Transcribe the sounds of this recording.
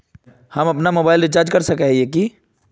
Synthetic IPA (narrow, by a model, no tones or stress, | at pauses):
həməpnamobaɪilɾɪt͡ʃaɾd͡ʒkəɾsəkɛɦieki